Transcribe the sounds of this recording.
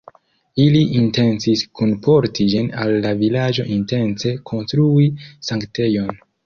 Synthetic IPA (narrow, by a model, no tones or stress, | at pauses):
iliʔinte̞nsiskʰunpʰo̞ɾtʰid͡ʒinalːavilad͡ʒo̞ʔinte̞nse̞kʰo̞nstɾuisaŋkte̞jo̞n